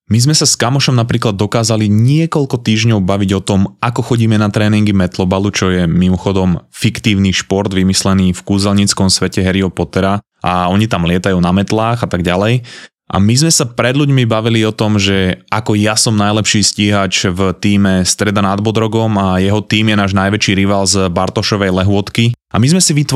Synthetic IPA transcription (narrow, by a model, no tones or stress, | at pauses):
mizmɛsaskamɔʃɔmnapɾiːklad̪ːɔkaːzaliɲɪɛkɔʎkɔt̪iːʒɲɔʊbaʋiɟɔt̪ɔmakɔxɔɟiːmɛnat̪ɾɛːniŋɡimɛt̪lɔbalut͡ʃɔjɛmimɔxɔd̪ɔmfikt̪iːʊniʃpɔɾd̪ʋimislɛniːfkuːzɛlɲit͡skɔmsʋɛcɛɦɛɾiɔpɔt̪ɛɾa | ʔa̰ɔɲit̪amlɪɛt̪ajuːnamɛt̪laːɣat̪aɡɟalɛj | ʔa̰mizmɛsapɾɛd̪ʎuɟmibaʋiliɔt̪ɔmʒɛakɔjasɔmnajlɛpʃiːsciːɦat͡ʃvt̪iːmɛst̪ɾɛd̪anad̪bɔd̪ɾɔɡɔmajɛɦɔt̪iːmjɛnaːʒnajʋɛt͡ʃiːɾiʋaːlzbaɾt̪ɔʃɔʋɛjlɛɦʊɔt̪kiamizmɛsiʋit̪